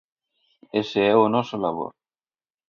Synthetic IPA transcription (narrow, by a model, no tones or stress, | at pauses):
eseɛonɔsolaβ̞o̰ɾ